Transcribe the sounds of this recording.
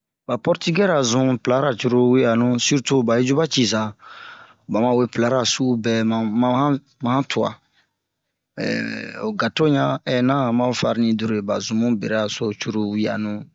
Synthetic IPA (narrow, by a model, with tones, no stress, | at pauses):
ba˨pɔ˦ɾti˦ɡɛ˦ɾa˨zũ˦pla˦ɾa˨t͡ʃu˦ɾo˦wi˦ja˨nũ˦si˦ɾtu˦ba˨i˦d͡ʒu˦ba˦t͡ʃi˨za˨ | ba˨mã˨we˦pla˨˦ɾa˨su˦bɛ˨mã˨mã˨˦hã˦ | mã˨hã˦tʰu˨a̰˨ | ɛ̰o˨ɡa˨to˦ɲã˦ɛ˨nã˦˨mã˦fa˧ɾi˦nĩ˦du˨ɾo˨e˨ba˨zũ˨mũ˦be˨ɾɛ˦a˨so˦t͡ʃu˦ɾo˦wi˦a̰˨nũ˦